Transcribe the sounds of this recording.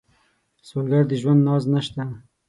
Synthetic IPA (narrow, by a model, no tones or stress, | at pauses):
solɡaɾd̪əʒwand̪nɑznaʃt̪a